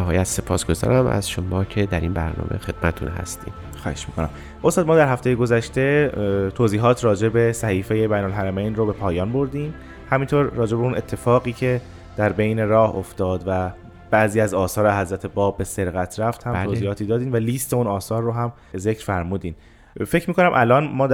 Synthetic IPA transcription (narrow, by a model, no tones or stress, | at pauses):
næɦɒːjæt̪se̞pʰɒ̰ːsɡ̥o̞zɒ̰ːɾæmʔæ̰zʃomɒːcʰed̪æɾiːnbæɾnɒ̰ːmʔexe̞d̪̚mætt̪ʰṵnɦæ̰st̪ḭːm | xɒ̰ːheʃmiːkʰonæ̰m | ʔost̪ɒːd̪mɒːd̪æɾɦæft̪e̞jeɡo̞zæʃt̪e̞t̪ʰoːziːɦɒːt̪ʰrɒːd͡ʒe̞be̞sæhiːfejebæjnolɦæɾæmejnrobe̞pʰɒːjɒːnbo̞ɾd̪iːm | hæmint̪ʰoɾːɒːd͡ʒe̞beunʔe̞t̪ʰːe̞fɒːɣiːcʰe̞ | d̪̥æɾbe̞jne̞ɾɒːhoft̪ɒːd̪væ | b̥æʔziːæzɒːsɒːɾeɦæzɾæt̪ʰebɒːbːe̞se̞ɾɣæt̪ʰɾæft̪hæmt̪ʰoːziːhɒːt̪ʰiːd̪ɒːd̪iːnvæliːst̪ʰe̞unɒːsɒːɾːoɦæm | ze̞cɾ̥fæɾmuːd̪iːn | fe̞cʰmiːkʰo̞næmʔælɒːnmɒː